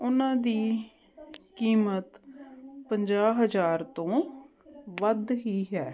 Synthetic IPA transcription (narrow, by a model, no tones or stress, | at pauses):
ʊnãːd̪iː | kiːmət̪pəɲd͡ʒaːɦəd͡ʒaːɾt̪õː | ʋəd̪ɦiːɦɛː